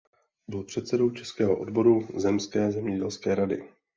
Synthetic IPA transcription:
bɪlpr̝̥ɛt̪sɛdo̞wt͡ʃɛskɛːɦoʔo̰dbo̞ɾuzɛmskɛːzɛmɲɛɟɛlskɛːɾadɪ̰

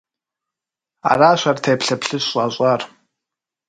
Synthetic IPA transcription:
a̰raːʃʷartʰajpʰɬapʰɬɨɕʷʼaɕʷʼar

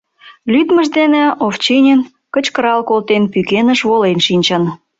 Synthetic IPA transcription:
lyt̪məʒd̪eneoft͡ɕenʲen | kət͡ɕkəɾɑlkolt̪enpykenəʃβolenʃinʲt͡ɕɑn

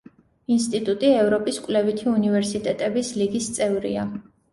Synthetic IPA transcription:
inst̪ʼit̪ʼut̪ʼiɛvɾɔpʼiskʼlɛvit̪ʰiunivɛɾsit̪ʼɛt̪ʼɛbisliɡist̪sʼɛvɾḭa

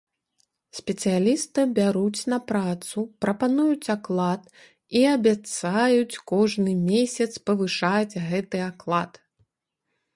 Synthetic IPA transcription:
sʲpʲɛt̪sɨjalʲist̪ɨbʲaɾut͡sʲnɐpɾat̪supɾɐpanujut͡sʲaklˠat̪ | iɐbʲat̪sajut͡sʲkɔʐnɨmʲesʲɐt̪spɐvɨʂad͡zʲɣɛt̪ɨaklˠat̪

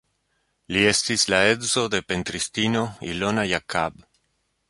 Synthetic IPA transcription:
lie̞stislaedzo̞d̪e̞pe̞ntɾistino̞ilo̞najakʰab

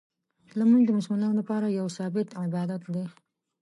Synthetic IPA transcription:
lamuŋɡd̪əmʊsmɪnɑnolapɑɾajawsɑbɪt̪ɪbɑd̪at̪d̪e

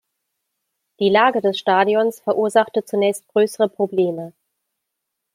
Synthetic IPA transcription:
d̥iːlaːɡədɛsʃtaːdiɔnsfɛɐʔuːɐzaχtət͡sunɛːçst̚ɡ̥ʁøːsəʁəpʁ̥obleːmə

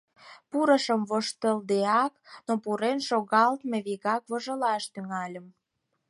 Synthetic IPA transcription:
puɾəʃəmβoʃt̪əld̪eɑknopuɾenʃoɣɑlt̪meβiɣɑkβoʒə̆lɑʃt̪yŋɑlʲəm

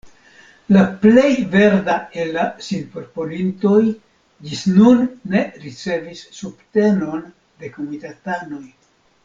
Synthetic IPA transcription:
laple̞jve̞ɾdaelːasinpoɾpolinto̞j | d͡ʒisnunːe̞ɾit͡se̞visːubte̞no̞n | d̪e̞ko̞mitatano̞j

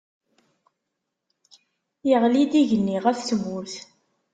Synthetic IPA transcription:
jəʁlid̪iʝənːiʁæθswuɾθ

